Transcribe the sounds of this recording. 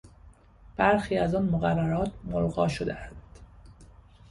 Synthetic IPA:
b̥æɾxiːæzɒːnmoɣærːæɾɒːt̪ʰmolɣɒ̰ːʃod̪eænd̪̥

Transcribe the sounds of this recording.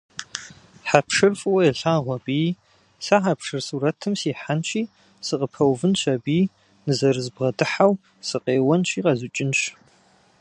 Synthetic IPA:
ħapʂɨrfʼɨwɐjɛɬaːʁʷɔbiː | saħapʂɨrsuːɾɐtʰɨmsiːħanʃʰʼiː | sɨqʼəpʰɐwvɨnʃɐbiː | nɨzɐɾɨzbʁɐdɨħaw | sɨqʼeːwɐnt͡ʃʼiːqʼɐzut͡ʃʼɪnɕ

